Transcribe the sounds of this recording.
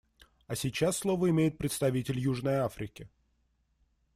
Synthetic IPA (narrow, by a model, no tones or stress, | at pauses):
ɐsʲɪt͡ɕasːlˠo̞vəɪmʲejɪt̪̚pɾʲɪt̪st̪ɐvʲitʲɪlʲjuʐnəjafɾʲɪkʲɪ